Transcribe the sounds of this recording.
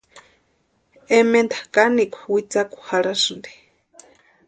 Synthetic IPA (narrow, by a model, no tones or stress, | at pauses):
ɛmɛnt̪ʰḁkʼanikʰuwit͡sakʼu̥haɺasɨnd̪i